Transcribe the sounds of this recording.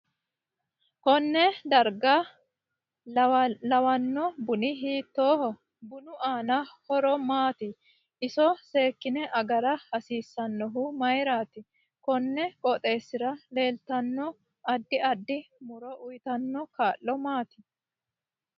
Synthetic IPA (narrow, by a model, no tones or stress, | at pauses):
kɔnːɛd̪ɐɾɡa | lɐwɐnːɔbʊnɪɦiːt̪ːoːhɔ | bʊnʊʔaːnɐhɔɾɔmaːt̪ɪ | ɪsɔse̞ːkːɪnɛʔɐɡɐɾɐhɐsiːsːɐnːɔɦʊmɐjɾaːt̪ɪ | kɔnːɛkʼɔt̪ʼe̞ːsːɪɾɐle̞ːlt̪ɐnːɔ | ɐd̪ːɪɐd̪ːɪmʊɾɔʔʊjt̪ɐnːɔkaːlːɔmaːt̪ɪ̥